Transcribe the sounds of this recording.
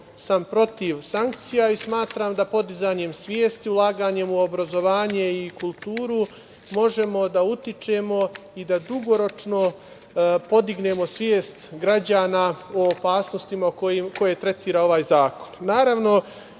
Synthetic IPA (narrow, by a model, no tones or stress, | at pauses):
sampɾo̞t̪iʋsaŋkt̪sijaismaːt̪ɾaːmd̪apo̞d̪izaːɲe̞msʋʲje̞ːst̪iulˠaːɡaːɲe̞muo̞bɾazo̞ʋaːɲe̞ikulˠt̪uːɾu | mo̞ʒe̞mo̞d̪aut̪it͡ʃe̞mo̞ | id̪ad̪uɡo̞ɾo̞t͡ʃno̞ | po̞d̪iɡne̞mo̞sʋjeːst̪ɡɾad͡ʑaːnao̞ːpaːsnost̪imakoko̞je̞t̪ɾe̞t̪iːɾao̞ʋaːjzaːko̞̥nnaːɾaʋno̞